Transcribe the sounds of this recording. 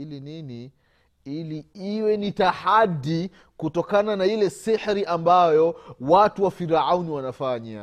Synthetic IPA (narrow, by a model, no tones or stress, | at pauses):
ilinini | iliiwɛnitahadi | kutɔkananailɛsihɾiʔambajɔwatuwafiɾauniwanafaɲa̰